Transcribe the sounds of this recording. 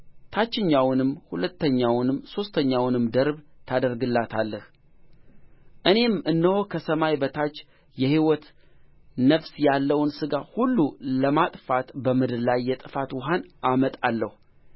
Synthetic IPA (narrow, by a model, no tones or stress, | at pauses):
t̪ʰat͡ʃːɪɲːawnɨmhulət̪ʰːəɲːawnɨmso̞st̪ʰəɲːawnɨmd̪əɾbt̪ʰad̪əɾɡɨlːat̪ʰalːəh | ʔɨne̞mɨnːəho̞kʰəsəmajbət̪ʰat͡ʃː | jɛhiwɔt̪ | nəfsjalːəwnsɨɡahulːuləmat̪ʼfat̪bəmɨd̪ɨɾlajːɛt̪ʼɨfat̪wɔɦanʔamət̪ʼalːəhu